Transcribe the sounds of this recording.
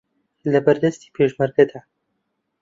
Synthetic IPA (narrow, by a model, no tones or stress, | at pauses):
lɐbɐɾd̪ɐst̪i̥ːpʰeʒmɐɾɡɐd̪aː